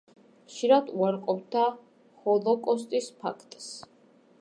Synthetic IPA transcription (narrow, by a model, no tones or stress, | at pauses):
χʃiɾad̪uaɾqʼɔpd̪a | hɔlˠɔkʼɔst̪ʼispʰa̰kʰt̪ʼs